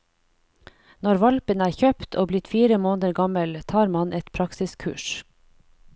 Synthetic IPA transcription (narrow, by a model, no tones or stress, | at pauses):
nɔɾʋɑlpənæːɾçœpt̪ʰoːblɪt̪fiːɾəmoːnəɾɡɑməlt̪ʰɑːɾmɑnʔɛt̪pʰɾɑksɪskʰʉ̰ːʃ